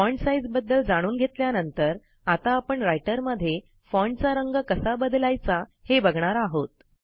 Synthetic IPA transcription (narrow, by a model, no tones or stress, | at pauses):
fɔɳsajd͡zbəd̪ːəld͡zaɽ̃uːnɡʱet̪ljanənt̪əɾ | at̪aːpəɳɾajʈəɾməd̪ʱːje | fɔɳɖt͡saɾəŋɡəkəsabəd̪lajt͡sahebəɡɳaɾaɦot̪̚